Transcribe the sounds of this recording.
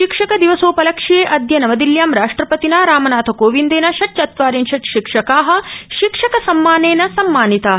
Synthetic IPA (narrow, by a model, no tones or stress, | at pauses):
ʃikʂɐkɐd̪iʋɐsoːpɐlɐkʂijeːʔɐd̪ʱjɐnɐʋɐd̪iljaːmɾaːʂʈɾɐpɐt̪inaːɾaːmɐnaːt̪ʰɐkoːʋind̪eːnɐʃɐʈt͡ʃɐt̪ʋaːɾinʃɐʈʃikʂɐkaːɦɐ̆ʃikʂɐkɐsɐmːaːneːnɐsɐmːaːnit̪aːɦɐ